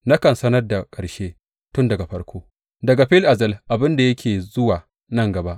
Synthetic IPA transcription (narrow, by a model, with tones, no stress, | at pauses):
na˦kɐ˨nsɐ˦nɐ˦rda˨kʼɐ˨ɽʃeː˦ | tʊ˦ndɐ˨ɡa˨ɸɐ˦rɽkʷʰoː˦ | dɐ˨ɡa˨ɸɪ˦lʔa˨zɐ˦˨lʔa˨bɪ˦nda˨jɐ˦kʲeː˨zʊ˦waː˨ | nɐ˦ŋɡɐ˨ba˦ʔ